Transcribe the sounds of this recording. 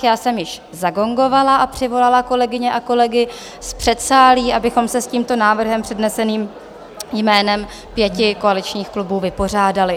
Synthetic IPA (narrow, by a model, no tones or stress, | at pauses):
jaːsɛmjɪʃ | zaɡo̞ŋɡo̞valaʔapr̝̥ɪvo̞lalako̞lɛɡɪɲɛʔako̞lɛɡɪ | spr̥ɛt̪saːliːʔabɪxo̞msɛsciːmt̪o̞naːvr̩ɦɛmpr̥ɛdnɛsɛniːm | jmɛːnɛm | pjɛcɪko̞alɪt͡ʃɲiːxklubuːvɪpo̞r̝aːdalɪ